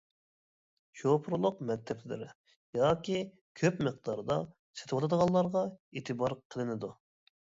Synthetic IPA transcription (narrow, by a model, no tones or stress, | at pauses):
ʃopʰɾlˠʊqmɛt̪ʰːɛpʰlɪ̰ɾɪ | jɑːkʲi | kʲʰøpməq̚d̪ɑɾd̪ɑ | se̥t̪ʰɨwɑt̪ʰɑd̪əʁɑlˠːɑɾʁɑeːt̪ʰɨbɑɾqʰəlˠɨnɨd̪u